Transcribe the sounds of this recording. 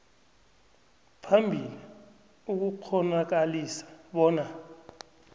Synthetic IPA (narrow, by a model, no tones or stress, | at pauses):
pʰambʱili | uk̬uk͡xʰɔnak̬alisḁɓɔːna